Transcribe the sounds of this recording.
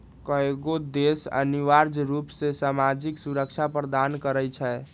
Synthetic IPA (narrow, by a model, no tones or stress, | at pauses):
kəeɡod̪esa̰niʋaɾd͡ʒɾupsesamad͡ʒiksuɾəkt͡ʃʰapɾd̪ankəɾəjt͡ʃʰɛ